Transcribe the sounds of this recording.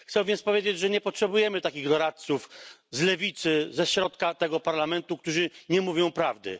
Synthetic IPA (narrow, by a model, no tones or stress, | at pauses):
xt̪sɛwvʲjɛnt̪spɔvʲjed͡ʑed͡ʑʐɛɲɛpɔtʂɛbujɛmɘt̪akʲiɣd̪ɔɾat̪̚t̪sufzlɛvʲit̪sɘzɛɕɾɔt̪kat̪ɛɡɔpaɾlamɛnt̪ukt̪uʐɘɲɛmuvʲjɔ̃w̃pɾavd̪ɘ̰